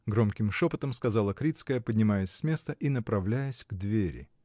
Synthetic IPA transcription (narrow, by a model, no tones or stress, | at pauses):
ɡɾo̞mkʲɪmʂo̞pət̪əmskɐzɑlˠəkɾʲit̪skəjəpədʲnʲɪmajəsʲsʲmʲe̞st̪əʔinəpɾɐvlʲæjəsʲɡd̪vʲeɾʲɪ̰